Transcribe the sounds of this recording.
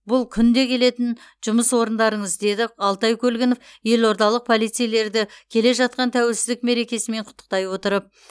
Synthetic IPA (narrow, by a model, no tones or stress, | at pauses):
bʊlˠkʲʰʏnd̪e̞kʲʰe̞le̞t̪ɪn | ʒʊməswo̞ɾənd̪ɑɾəɴəzd̪e̞d̪ɪɑlˠt̪ɑjkʲʰɵlɡʲɪno̞fje̞lo̞ɾd̪ɑlˠəq̚pʰo̞lˠijt̪sɨjle̞ɾd̪ɪkʲʰe̞le̞ʒɑt̪̚qɑnt̪ʰæwelsɪzd̪ɪkme̞ɾe̞kʲe̞sɪme̞ɴqʰʊ̥t̪ːəq̚t̪ɑjwo̞t̪əɾəp̚